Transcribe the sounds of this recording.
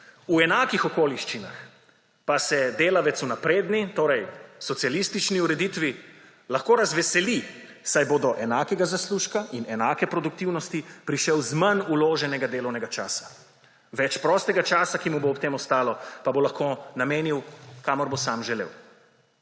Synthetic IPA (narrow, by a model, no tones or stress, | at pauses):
uɛnaːkixɔkoːliʃt͡ʃina̰x | pasɛd̪eːlaʋɛt̪sunapɾeːd̪nit̪oːɾɛjsɔt̪sijalist̪it͡ʃniuɾɛd̪it̪ʋi | laxkoːɾazʋɛsɛli | sajboːd̪ɔʔɛnaːkɛɡazasluːʃkaʔinɛnaːkɛpɾɔd̪ukt̪iwnɔst̪ipɾiʃɛwzmɐnuloːʒɛnɛɡad̪eːlɔwnɛɡat͡ʃa̰ːsḁ | ʋɛt͡ʃpɾɔːst̪ɛɡat͡ʃaːsakimuboːpt̪eːmɔst̪aːlɔpabolaxkonameːniwkamɔɾbosaːmʒɛlḛːw